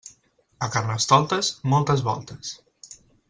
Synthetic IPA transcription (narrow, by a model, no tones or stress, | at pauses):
əkarnəst̪ɔlˠt̪əzmɔlˠt̪əzβɔ̰lˠt̪əs